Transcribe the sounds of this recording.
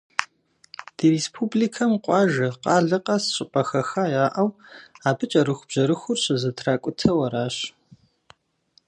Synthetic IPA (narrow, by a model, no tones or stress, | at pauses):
d̥irespʰubliːkʰɐmqʷʼɑːʒɐqʼɑːɮɨqʼɐsɕʼɪpʼɐxɐxajaːʔɐwaːbɨt͡ʃʼɐɾɨxʷʊb̥ʑ̥ɐɾɨxʷʊrɕɐzɨtʰraːkʷʼʊtʰɐwɐɾaːɕ